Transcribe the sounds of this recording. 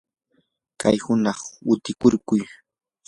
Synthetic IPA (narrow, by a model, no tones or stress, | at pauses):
kʰajhʊnɑχʊt̪ɪkʊɾkʊj